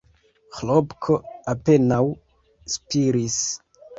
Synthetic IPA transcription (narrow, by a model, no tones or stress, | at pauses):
xlobkʰoape̞naw | spiɾis